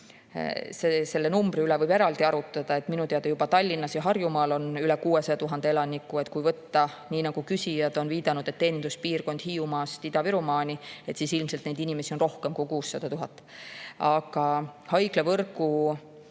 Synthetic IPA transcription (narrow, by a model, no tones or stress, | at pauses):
sese̞lːenumbriylɛvɤjbe̞ɾɑld̪̥iɑɾut̪ˑːɑd̪̥ɑe̞t̪ˑminut̪eɑd̪̥ɑjubɑt̪ɑlʲːinːɑsjɑɦɑrjumɑːlo̞nylɛkuːe̞sɑjɑt̪uɦɑnd̪e̞e̞lɑnʲikːˑuet̪kujvɤt̪ːɑniːnɑɡ̥ukysʲijɑd̪̥o̞nviːd̪̥ɑnud̪̥e̞t̪ːe̞ːnind̪̥uspiːrko̞nd̪̥hiːumɑst̪id̪̥ɑviɾumɑːnʲie̞t̪sisilmse̞lt̪nejd̪inʲimesio̞nro̞hke̞mkukuːsːɑd̪̥ɑt̪uɦɑt̪ˑː | ɑɡ̥ɑhɑjɡlevɤrku